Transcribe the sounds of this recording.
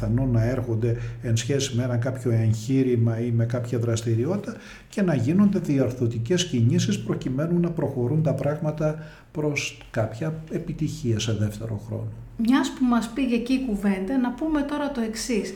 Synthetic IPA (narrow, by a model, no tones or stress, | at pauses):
ɐno̞nɐeɾxo̞nd̪e̞ensçe̞simeenɐkɐpço̞eɲçiɾimɐime̞kɐpçɐðɾɐst̪iɾio̞t̪i̥t̪ɐ | ce̞nɐʝino̞nd̪e̞ðiɐɾθo̞t̪ice̞sciɲisispɾo̞cime̞nunɐpɾo̞xo̞ɾunt̪ɐpɾɐɣmɐt̪ɐ | pɾo̞s | kɐpçɐepit̪içiɐse̞ðeft̪e̞̰ɾo̞̰xɾo̞̰no̞mɲɐspumɐspiʝeciːkuve̞nd̪ɐnɐpume̞t̪o̞ɾɐt̪o̞e̞ksis